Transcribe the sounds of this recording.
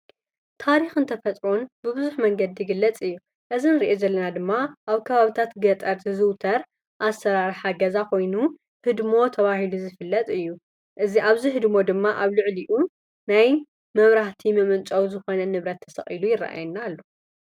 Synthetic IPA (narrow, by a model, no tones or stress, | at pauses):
t̪ʰaɾixɨnt̪ʰɐfɐt̪ʼɾonbɨβɨzuħmɐŋɡɐd̪iɡɨlːɐt͡sʼɨjːu | ʔɨzinɨɾiʔezɐlːɐnad̪ɨmːaʔaβkʰɐβaβit̪ʰat̪ɡɐt̪ʼɐɾt̪ʰizɨwt̪ʰɐɾ | ʔasɐɾaɾħaɡɐzakʰo̞jnu | hɨd̪mo̞t̪ʰɐβahiluzɨfɨlːɐt̪ʼɨjːu | ʔɨziʔaβziɦɨd̪mo̞d̪ɨmːaʔaβlɨʕliʔu | naj | mɐβɾaht̪ʰimɐmɨnt͡ʃʼɐwzɨxo̞nɐnɨβɾɐt̪ʰːɐ̥sɐχʼilujɪrːa̰ʔa̰jnːalːo